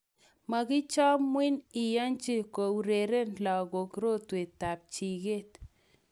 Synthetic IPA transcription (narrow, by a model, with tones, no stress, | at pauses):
ma˨ki˦t͡ʃɔ˦mwi˦ni˨ja˦nt͡ʃi˦˨ko˨u˨ɾe˨ɾe˦nla˨ɡo˨kɾo˦twe˨tːa˨p̚t͡ʃi˨ɡe˦t